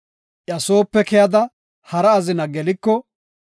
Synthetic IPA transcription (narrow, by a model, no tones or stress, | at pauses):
ʔjɐso̞ːpːɛkɛjɐd̪ɐ | hɐɾɐːzɪnɐɡɛlɪkːɔ